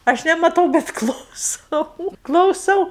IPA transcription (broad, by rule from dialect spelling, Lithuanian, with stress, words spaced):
ˈɐʃ nʲɛmɐˈtɐʊ bʲɛt klˠɐʊˈsɐʊ klˠɐʊˈsɐʊ